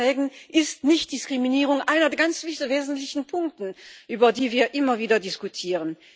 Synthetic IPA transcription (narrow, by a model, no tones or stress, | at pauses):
ɛːɡn̩ʔɪstnɪçt̚d̥ɪskʁ̥iminiːʁʊŋʔaɪnɐdɛɐɡant͡sv̥ɪveːzn̩tlɪçn̩pʰʊŋk̚tn̩ʔyːbɐdiːviːɐʔɪmɐviːdɐdɪskutʰiːʁən